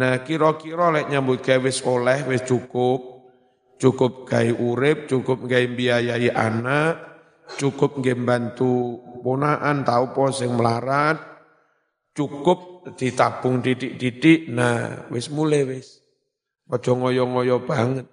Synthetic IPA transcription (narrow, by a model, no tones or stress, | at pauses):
nahkiɾɔkiɾɔlɛʔɲambʊt̪̚ɡ̥aiwɪsolɛhwɪst͡ʃukʊp̚ | t͡ʃukʊp̚ɡ̥aiʔuɾɪp̚t͡ʃukʊp̚ŋɡaimbiajaiʔa̰naʔ | t͡ʃukʊp̚ŋɡembant̪upunaʔant̪aupɔsɪŋməlaɾat̪̚ | t͡ʃukʊp̚d̪̥it̪ab̥ʊŋd̪idɪk̚d̪idɪʔna̰hwɪsmulɛwɪs | ɔd̥ɔ̤ŋɔjɔŋɔjɔb̥aŋət̪̚